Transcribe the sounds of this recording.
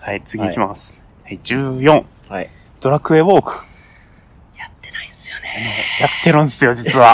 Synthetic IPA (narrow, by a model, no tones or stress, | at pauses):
hait͡sɨɡʲiːkʲimasɨ̥ | haid͡ʑɨːjõ̞ŋ̃ | d̪̥o̞ɾakɯ̟e̞βo̞ːkɯ̟̥ | jat̪ːenaisɨ̥jonenojat̪ːe̞ɾɯ̟̃nd̪esɨjo̞d͡ʑit͡sɨβa